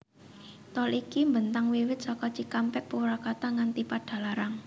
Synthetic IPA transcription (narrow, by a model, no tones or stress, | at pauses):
t̪ɔlikimbənt̪aŋwewɪt̪̚sɔkɔt͡ʃikampɛʔpuwɾakat̪aŋant̪ipaɖ̥a̤laɾaŋ